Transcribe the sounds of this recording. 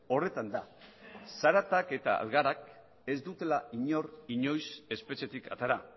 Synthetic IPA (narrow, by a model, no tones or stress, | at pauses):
o̞re̞t̪and̪asaɾat̪ake̞t̪a̰a̰lɣaɾak | e̞zd̪ut̪e̞laiɲo̞riɲo̞jse̞spe̞t͡ʃe̞t̪ikʰa̰t̪aɾa